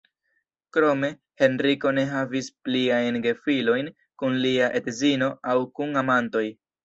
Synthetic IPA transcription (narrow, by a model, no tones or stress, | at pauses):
kɾo̞me̞ | he̞nɾiko̞ne̞ɦavispliajnɡe̞filo̞jn | kunliaʔe̞tzino̞ʔawkuŋamanto̞j